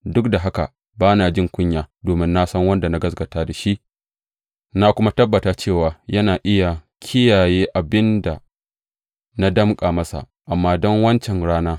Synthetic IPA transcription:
dʊ˦k̚da˨ɦa˦ka̰˨ | baː˦naː˨d͡ʒɪ˦ŋkʷʊ˦ɲjaː˨doː˨mɪ˦nːa˦sɐ˦ŋwɐ˦nda˨na˦ɡɐ˦s̬ɡɐ˨taː˦da˨ʃi˦ʔ | na˦kʷʊ˦ma˦tɐ˦bːɐ˨taː˦t͡ʃeː˦˨waː˨jɐ˦naː˨ʔɪ˦ja˨ | kʲʰɪ˦jaː˨jeː˦ʔa˨bɪ˦nda̰˨ | na˦dɐ˦mkʼaː˨mɐ˦sa̰˨ | ʔa˨mːaː˦dɔ˦ŋwɐ˦nt͡ʃɛ˨nɽaː˦naː˦

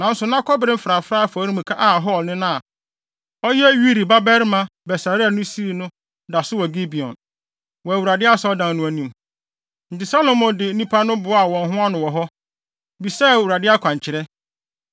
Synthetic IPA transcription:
nã˨n̩˦sʊ˨nã˦kʰɔ˦bɾɪ̃˦m̩˦fɾa˨fɾa˦a˨fɔ˨˦ɾi˦m̩̃˨kʰa˦ʔa˦˨ɦɔ˦˨lnɪ̃˦nã˦a˨ | ɔ˦jɛ˦ɥi˦ɾi˨ba˦bɛ˦ɾmã˨bɛ˨sa˨ɾɪ˦a˨nʊ̃˦si˦˨nʊ̃˦ | da˨sʊ˦wɔ˨ɡi˦bi˨ɔ̰̃˨n | wɔ˨æ˨wu˨ɾa˨dɪ˦a˦sɛ˦ɔ˦dã˨nnʊ̃˨æ˨nĩ˦˨m | n̩˨tɪ˨sa˦lo˨mɔ̃˨ndɪ˨n̩˦nĩ˦pʰa˦nʊ̃˦bʊ˨˦a˨wɔ̃˨nɦʊ̃˦a˦nʊ̃˨wɔ˨ɦɔ˦ | bi˨sɛː˦˨wu˨ɾa˨dɪ˦a˦kʷʰã˨ɲ˨t͡ɕʰɪ˨ɾɛ˦

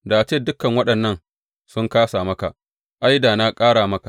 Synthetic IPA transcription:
da˨ʔa˨t͡ʃeː˦˨dʊ˦kɐ˨ŋwɐ˦ɗɐ˨nːɐ˦n | sʊ˦ŋkaː˦saː˨mɐ˦ka˨ | ʔa˦jda˨na˦kʼaː˦ɽaː˨mɐ˦ka˨

